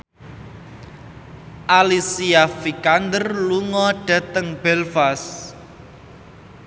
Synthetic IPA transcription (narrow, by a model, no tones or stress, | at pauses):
ʔalisiafikand̪ərluŋɔɖ̥a̤t̪əŋb̥ɛlfas